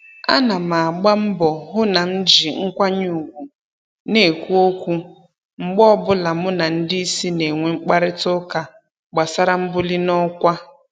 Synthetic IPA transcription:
a̰˦na˨ma˨a˨ɡ͡ba˦m̩˦bɔ˨ɦʊ˦na˨n̩˦d͡ʒi˨ŋ̩˦kʷa˦ɲʊ˨ɡʷu˨ | ne˨kʷu˦o˦kʷu˦ | ŋ͡m̩˦˨ɡ͡bɔ˦bʊ˦la˨mʊ˦na˨n̩˦dɪ˦i˦si˦ne˨ŋʷe˨ŋ͡m̩˦k͡pa˦ɾɪ˦tʊ˦ka˨ | ɡ͡ba˨sa˦ɾa˦m̩˦bʊ˦li˦nɔ˦kʷa˦

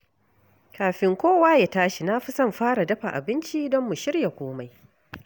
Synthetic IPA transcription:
kaː˨ɸɪ˨ŋkʷoː˦waː˦ja˨taː˦ʃi˨na˦ɸi˦sɐ˦˨mɸaː˦ɽa˨dɐ˦ɸa˨ʔa̰˨bɪ˦nt͡ʃi˦dɔ˦mːʊ˨ʃɪ˦rja˨kʷoː˦ma˦j

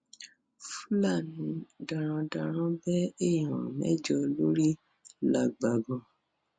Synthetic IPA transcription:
fu˦la˦˨nĩ˧dã˧ɾ̃ã˧dã˧ɾ̃ã˦bɛ˦e˦˨jã̰˨mɛ̰˦d͡ʒɔ˧lo˦ɾi˦ | la˨ɡ͡ba˨ɡɔ̃˨

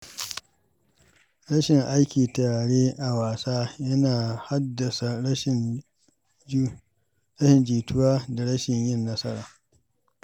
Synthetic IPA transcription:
ɽɐ˦ʃɪ˨ŋʔa˦jkʲiː˨taː˨ɽeː˦ʔa˨waː˨saː˦jɐ˦naː˨ha˦dɐ˨sa˨˦˨ | ɾɐ˦ʃɪ˨nd͡ʒiː˨tʊ˦waː˦da˨ɽɐ˦ʃɪ˨ɲjɪ˦nːɐ˦sɐ˦ɾa̰ː˨

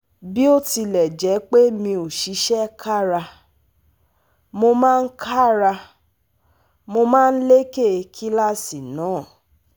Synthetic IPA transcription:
bi˦o˦ti˧lɛ˨d͡ʒɛ˨˦k͡pe˦mĩ˧o˨ʃi˨˦ʃɛ˦kʰa˦˨ɾa˧ | mo˧mãː˦˧n̩˦kʰa˦˨ɾa˧ | mo˧mãː˦˧n̩˦le˦ke˦˨kʰi˦la˦si˨nãː˨˦˨

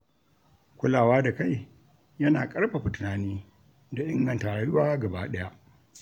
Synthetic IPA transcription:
kʷʊ˦laː˨waː˦da˨ka˦˨j | jɐ˦naː˨kʼɐ˦ɽɸa˨ɸʊ˨tʊ˨naː˨niː˦ | da˨ʔɪ˦ŋɡɐ˨ntaː˨ɽa˨˦jʊ˦waː˦ɡɐ˨baː˦ɗɐ˦ja˦ʔ

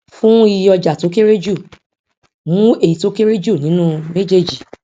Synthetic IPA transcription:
fũ˦i˧jɔ˧d͡ʒa˨to˨˦ke˦ɾe˦d͡ʒu˦˨ | mũ˨˦e˨i˨to˨˦ke˦ɾe˦d͡ʒu˦˨nĩ˨˦nũ˦me˦d͡ʒe˦˨d͡ʒi˨

